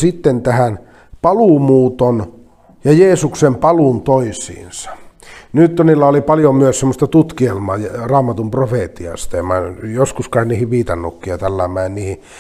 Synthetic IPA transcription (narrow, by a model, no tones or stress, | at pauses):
sit̪ːent̪æhæn | pɑluˑmuːt̪on | jɑjeːsuksempɑluˑnt̪oisḭːnsɑ̥nyt̪t̪ːonilːæolipɑljomyøssemːost̪ɑt̪ut̪kielmɑːjrɑːmɑt̪umprofeˑt̪iɑ̰st̪ɑemæjoskuskɑinniːhiʋʋiːt̪ɑnːukːiɑt̪ælːæmːæˑenniːhi